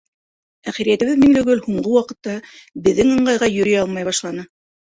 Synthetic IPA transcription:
æχæɾijæt̪ɘ̆βɘðmiŋlɵ̆ɡɵlhuɴɢɤwɑqɤ̆t̪ːɑbɘ̆ðːɘŋɤ̆ɴɢɑjʁɑjɵ̆ɾɘjɑlˠmɑjβɑʃlˠɑnɤ

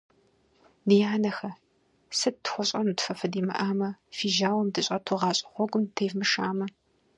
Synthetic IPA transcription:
dijaːnɐxɐ | sɨd̚tʰxʷɔɕʼɐnutfɐfɐdiːmɐ̰ʔaːmɐfiːʒaːwɐmdɨɕʼɐtʰuʁɑːɕʼɪ̥χʷɔɡʷʊmtʰeːjvmɨʃaːmɐ

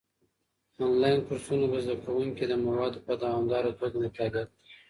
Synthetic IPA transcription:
ɑnlɑjnkʊɾsunobəzd̪akawuŋkid̪əmawɑd̪opəd̪awɑmd̪ɑɾat̪oɡanakɑɡ̪əl

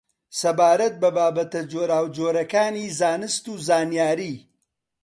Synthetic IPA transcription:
sɐbaːɾɐt̪̚bɐbaːbɐt̪ɐd͡ʒoːɾaːwd͡ʒoːɾɐkaːniːzaːnɨst̪uːzaːnjaːɾiː

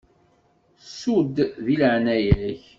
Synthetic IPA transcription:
sud̪ðiləʕnæjləç

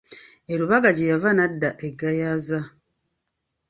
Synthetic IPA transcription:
eɾuβaɡaɟejavanadːaʔeɡajaza

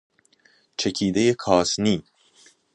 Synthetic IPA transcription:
t͡ʃʰe̞cʰiːd̪ejekʰɒːsniː

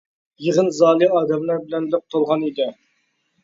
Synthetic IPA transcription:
jəʁənzɑːlˠiɑːd̪ɛmlæɾbɪlɛnlɪp̚t̪ʰolˠʁɑnid̪ɪ

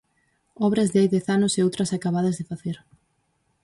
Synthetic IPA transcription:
ɔβɾɐzðeajðɛθanʊseowt̪ɾɐsakaβaðɐzðɪfaθeɾ

